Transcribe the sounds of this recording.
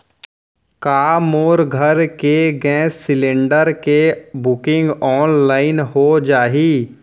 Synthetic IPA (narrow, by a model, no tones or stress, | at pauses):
kaːmoːɾɡʱəɾkeɡɛ̃ːsːɪlɪ̃ɳɖəɾkebʊkɪ̃ŋɡɔːnlaːɪnɦod͡ʒaːɦiː